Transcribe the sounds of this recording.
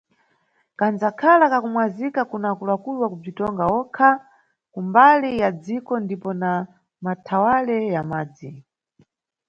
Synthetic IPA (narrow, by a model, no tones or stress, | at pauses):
kand͡zakʰalakakumwazikakunakulakulwakub͡ʐitɔŋɡaɔkʰa | kumbalijad͡zikɔndipɔna | matʰawalɛjamaːd͡zi